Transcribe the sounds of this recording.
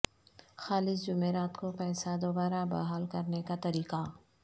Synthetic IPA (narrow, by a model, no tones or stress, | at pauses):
xaːlɪsd͡ʒʊmeːɾaːt̪kopɛːsad̪obaːɾabɐ̰ɦaːlkɐɾnekat̪ɐɾiːqa